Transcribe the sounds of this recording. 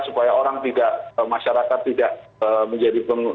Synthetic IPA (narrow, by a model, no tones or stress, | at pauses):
supajaoɾaŋt̪idaʔəmaʃaɾakat̪ːidaʔəməɲd͡ʒadipən